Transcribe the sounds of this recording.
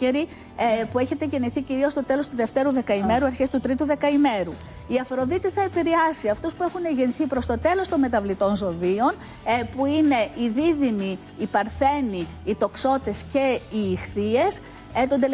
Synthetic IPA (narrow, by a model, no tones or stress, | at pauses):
eɾi | pueçe̞t̪e̞ceniθiciɾiost̪o̞t̪e̞lo̞st̪uðe̞ft̪e̞ɾuðe̞kɐime̞ɾuɐɾçe̞st̪ut̪ɾit̪uðe̞kɐime̞ɾu | iɐfɾo̞ðit̪iθɐe̞piɾeɐsiɐft̪uspue̞xuneʝenθipɾo̞st̪o̞t̪e̞lo̞st̪o̞nme̞t̪ɐvlit̪o̞nzo̞ðio̞n | puine̞iðiðimiː | pɐɾθe̞niː | t̪o̞kso̞t̪e̞sce̞iːxθie̞s | t̪ond̪el